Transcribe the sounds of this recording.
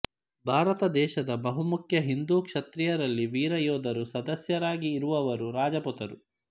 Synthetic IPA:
bʱaːɾɐt̪ɐd̪ɛːʃɐd̪ɐbɐɦumukʰjɐɦind̪uːkʂɐt̪ɾijɐɾɐlːiʋiːɾɐjɔːd̪ʱɐɾusɐd̪ɐsjɐɾaːɡiːɾuʋɐʋɐɾuɾaːd͡ʒɐput̪ɐɾu

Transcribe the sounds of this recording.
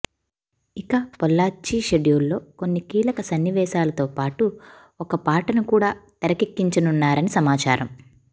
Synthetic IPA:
ikɐpɔlːaːt͡ʃːiːʃeɖijulːo̞ːko̞nːikiːlɐkɐsɐnːiʋɛːʃaːlɐt̪o̞ːpaːʈu | ɔkɐpaːʈɐnukuːɽaːt̪ɐɾɐkekːiɲt͡ʃɐnunːaːɾɐnisɐmaːt͡ʃa̰ːɾɐm

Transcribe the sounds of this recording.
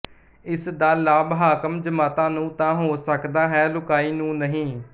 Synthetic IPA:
ɪsd̪aːlaːbɦaːkəmd͡ʒəmaːt̪ãːnũːt̪ãːɦoːsəkd̪aːɦɛːlʊkaːiːnũːnəɦĩː

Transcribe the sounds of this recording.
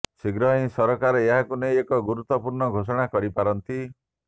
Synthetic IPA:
siɡɾɔĩsɔɾɔkaɾɔeɦakunejekɔɡuɾut̪ːɔpuɾɳɔɡʱosɔɽ̃akɔɾipaɾɔnt̪i

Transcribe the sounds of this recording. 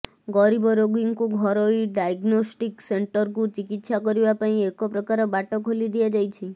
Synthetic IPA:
ɡɔɾibɔɾoɡiŋkũɡʱɔɾoiɖajɡnosʈikseɳʈəɾkũt͡ʃikit̪ʃakɔɾiʋapaĩekɔpɾəkaɾebaʈɔkʰolid̪iad͡ʒajt͡ʃʰi

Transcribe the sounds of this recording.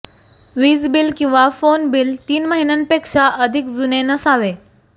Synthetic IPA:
ʋizbilkĩw̃ʋafonbilt̪iːnməɦinənpekʂaʔəd̪ʱikzunenəsaʋe

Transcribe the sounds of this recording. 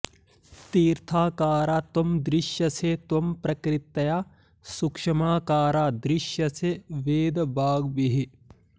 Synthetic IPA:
t̪iːɾt̪ʰaːkaːɾaːt̪omd̪ɾɪʃjɐseːt̪ompɾɐkɾit̪ːɐjaː | sukʂɐmaːkaːɾaːd̪ɾɪʃjɐseʋeːd̪ɐbʱaːɡbiɦi

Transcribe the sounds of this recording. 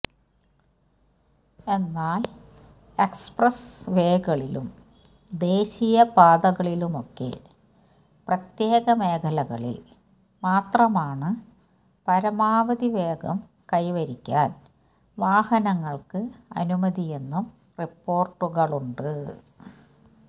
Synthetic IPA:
e̞nːaːl | e̞ksprɐsʋe̞ːɡɐɭilṵm | d̪e̞ːɕijɐpaːd̪ɐɣɐɭilumo̞kːe̞̰ | prɐt̪je̞ːɣɐmeːkʰɐlɐɣɐ̰ɭḭl | maːt̪rɐmaːɳɨ | pɐɾɐmaːʋɐd̪iʋeːɡɐm | kɐjʋɐɾikʲːa̰ːn | ʋaːhɐnɐŋːɐɭkɨɐ̰numɐðijenːum | ripːo̞ːrʈːuɣɐɭuɳɖɨ

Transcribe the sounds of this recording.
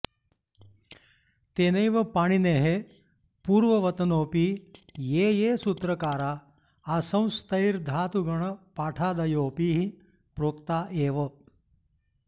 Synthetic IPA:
t̪eːnɐjʋɐpaːɽ̃ineːɦe | puːɾʋɐʋɐt̪ɐnoːpiːjeːjesut̪ɾɐkaːɾaː | asɐ̃w̃st̪ɐjɾd̪ʱaːt̪uɡɐɽ̃ɐpaːʈʰaːd̪ɐjoːpiːɦi | pɾoːkt̪aːʔeːʋɐ

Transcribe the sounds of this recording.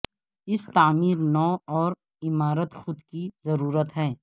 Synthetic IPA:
ɪst̪aːmiːɾnɔːɔːɾ | ɪmaːɾət̪xʊd̪kizɐɾuːɾət̪ɦɛː

